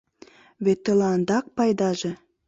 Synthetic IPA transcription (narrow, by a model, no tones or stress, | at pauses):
βet̪ːĕlɑnd̪ɑk̚pɑjd̪ɑʒə̆